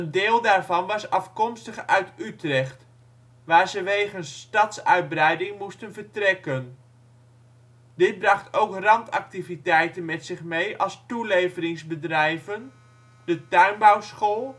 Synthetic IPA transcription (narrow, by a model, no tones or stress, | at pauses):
əndɪːlˠdaːɹvɑnʋɑsɑfkɔmstəχœɥtytrɛχt | ʋaːɹzəʋejχənstɑtsœɥd̚brɛjdɪŋmustənvəɹtrɛkən | dɪt̚brɑχtowkrɑntɑ̰k̚tivitɛjtənmɛtsɪχmejʔɑlˠstulejvərɪŋzbədrɛjvən | dətœɥnbawsχolˠ